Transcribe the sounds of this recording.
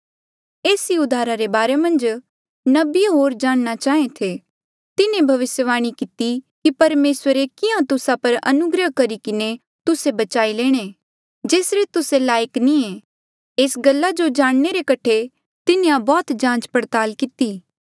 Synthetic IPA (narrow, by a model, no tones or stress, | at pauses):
eːsiʊd̪ʱaːɾaɾebaːɾemɐ̃nd͡ʒ | nɐbɪɦoːɾd͡ʒaːɽ̃ñat͡ʃaːẽt̪ʰe | t̪ɪnẽbʱɐʋɪsjəʋaːɽ̃ikɪt̪ikipɐɾmeːswəɾekɪãt̪ʊsapɐɾɐ̰nʊɡɾəɦkɐɾikɪne | t̪ʊsebɐt͡ʃaːileːɽ̃e | d͡ʒeːsɾet̪ʊselaːjəknĩe | eːsɡɐlːad͡ʒod͡ʒaːɽ̃neɾekɐʈʰe | t̪ɪnẽjãbɔːt̪d͡ʒãːt͡ʃpɐɾt̪aːlkɪt̪iː